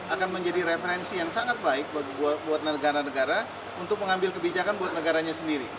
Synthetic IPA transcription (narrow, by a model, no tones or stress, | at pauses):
akanməɲd͡ʒadiɾefəɾɛnsijaŋsaŋat̪̚baɪk̚baɡibuat̪̚buat̪̚nəɡaɾanəɡaɾa | unt̪ʊk̚məŋambɪlkəbid͡ʒakanbuat̪̚nəɡaɾaɲasəndiɾi